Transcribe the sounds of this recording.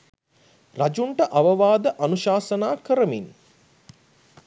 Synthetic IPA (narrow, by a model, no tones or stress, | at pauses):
rad͡ʒuɳʈəʔaʋəʋaːd̪əʔanuʃaːsənaːkəɾəmin